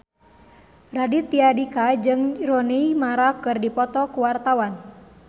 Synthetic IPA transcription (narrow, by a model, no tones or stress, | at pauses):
radit̪iadikad͡ʒɨŋɾoneimaɾakɨrdipɔt̪ɔkuwart̪awan